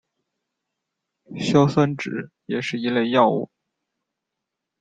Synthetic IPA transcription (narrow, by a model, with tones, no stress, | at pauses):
ɕjɑ˥ʊswə˥nʈ͡ʂɻ̩˨˩˦ | jɛ˨˩ʂɻ̩˥˩i˧˥le˥˧ɪjɑ˥˧ʊṵ˥˩